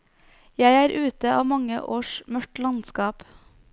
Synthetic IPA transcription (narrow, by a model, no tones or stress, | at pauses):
jæɪæːɾʔʉːt̪əʔɑːʋmɑŋə̰ʔoːʃmœʈlɑnskɑːp